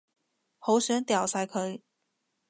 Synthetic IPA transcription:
ho˧˥ʊɕɥɛ˧˥nt̪jɑ˨˩ʊsʰa˧˥ɪkʰɤ˧˥i˨˩˦

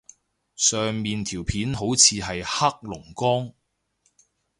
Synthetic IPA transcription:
sœː˨ŋmiː˨nt̪ʰiː˨˩wpʰiː˨˥nɦo˨˥wt͡sʰiː˨˧ɦɐ˨jha˥k̚lʊ˨˩ŋkɔː˥ŋ

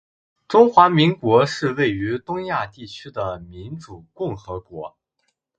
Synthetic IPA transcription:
ʈ͡ʂʊ˥ŋxwa˧˥mi˧˥ŋkwɔ˧˥ʂɻ̩˥˧we˥˩ɪy˧˥t̪ʊ˥ŋja˥˧t̪i˥˩t͡ɕʰy˥d̪ə˨mi˧˥nʈ͡ʂu˨˩kʊ˥˩ŋxɤ˧˥kwɔ˧˥

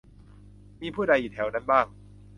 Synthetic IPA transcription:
miː˧pʰuː˥˩da˧jʔiː˨˩t̪ʰɛ˩˦wna˦˥˩nbaː˥˩ŋ

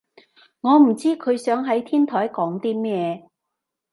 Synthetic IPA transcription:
ŋɔː˨˧m̩˨˩t͡siː˥kʰɵ˨˧ɥsœː˨˥ŋɦɐ˨˥jt̪ʰiː˥nt̪ʰɔː˨˥jkɔː˨˥ŋt̪iː˥mɛː˥˩

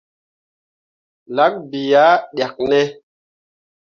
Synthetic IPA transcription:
la˨˦k̚bi˨ja˦ɗja˨k̚nɛ˦

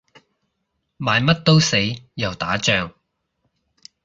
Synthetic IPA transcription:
maː˨˧jmɐ˥t̚t̪o˥wse˨˥jjɐ˨˩wt̪aː˨˥t͡ʃœː˨ŋ

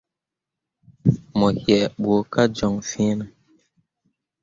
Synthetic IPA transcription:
mɔ˨hjɛ˨ɓo˨˦ka˦d͡ʒɔ˨ŋfĩ˦nə˨

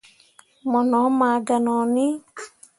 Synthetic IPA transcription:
mɔ˨nɔ˨˦ma˨ɡa˨nɔ˨nɪ˦

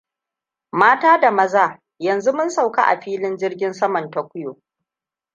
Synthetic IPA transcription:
maː˦taː˦da˨mɐ˦zaː˦ | jɐ˨nzu˦mʊ˦nsa˨wka̰˦ʔa̰˨ɸiː˦lɪ˦nd͡ʒɪ˦rɡʲɪ˦nsɐ˦mɐ˨ntɐ˨kʷʊ˦joː˨

